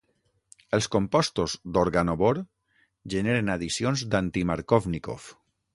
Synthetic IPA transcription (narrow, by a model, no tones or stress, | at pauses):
əlˠskompɔst̪ozd̪oɾɣanoβoɾ | ʒeneɾenaðisionzd̪ant̪imaɾkovniko̰f